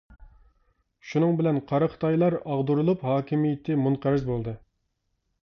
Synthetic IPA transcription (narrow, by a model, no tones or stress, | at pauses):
ʃunɨŋbɪlɛnqʰɑɾəqʰt̪ʰɑjlˠɑɾɑʁd̪uɾulˠuphɑːkʲʰimijɪt̪ʰːɪmunqʰæɾɪzbolˠd̪ɨ